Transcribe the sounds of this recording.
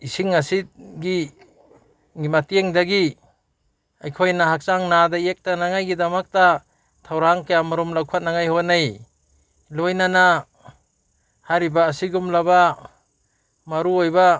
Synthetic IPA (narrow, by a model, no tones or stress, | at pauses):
isiŋasit̚ɡi | ŋimateŋdaɡi | ajkʰojnaɦak̚t͡ʃaŋnadajek̚tanaŋajɡidamak̚ta | tʰawɾaŋkajamaɾumlawkʰat̚naŋajhonaj | lojnana | haɾibaːsiɡumlaba | maɾuojba